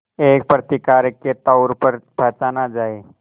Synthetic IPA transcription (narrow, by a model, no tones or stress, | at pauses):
eːk̚pɾət̪ikaːɾəkːet̪aʊɾpəɾpɐt͡ʃanad͡ʒaːe